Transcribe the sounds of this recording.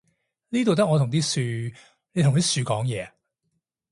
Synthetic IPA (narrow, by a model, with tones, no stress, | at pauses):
niː˥t̪̬o˨wt̪ɐ˥k̚ŋɔː˨˧ʊ˨˩ŋt̪iː˥syː˧ | ne˨˧jtʰʊ˨ŋt̪i˥syː˨˧kɔː˨˥ŋjɛː˨˧